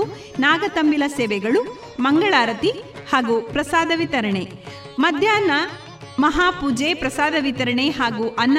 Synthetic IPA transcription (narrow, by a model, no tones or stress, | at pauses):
u | naːɡɐt̪ɐmbilɐseːʋɛɡɐɭu | mɐŋɡɐɭaːɾɐt̪ihaːɡupɾɐsaːd̪ɐʋit̪ɐɾɐɳe | mɐd̪ʱjaːnɐ | mɐɦaːpuːd͡ʒepɾɐsaːd̪ɐʋit̪ɐɾɐɳeɦaːɡuʔɐnː